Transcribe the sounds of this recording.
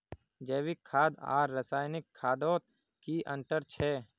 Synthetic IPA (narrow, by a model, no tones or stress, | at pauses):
d͡ʒəːwɪkʰːaːd̪a̰ːɾːəsaːjnɪkʰːaːd̪oːt̪̚ | kiʔə̃nt̪əɾt͡ʃʰɛː